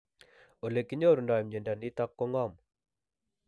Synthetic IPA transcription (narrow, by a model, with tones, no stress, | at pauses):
o˨le˨kːi˦ɲo˦˨ɾu˨nda˨mɲe˨nda˨ni˦ta˦kːɔ˦ŋɔ˦˨m